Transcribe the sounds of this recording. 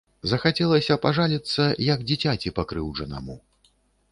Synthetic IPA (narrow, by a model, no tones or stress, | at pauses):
zɐxat͡sʲɛlˠɐsʲɐpaʐalʲit̪sːɐjɐɡd͡zʲit͡sʲat͡sʲipakɾɨwʐɐnɐ̰mu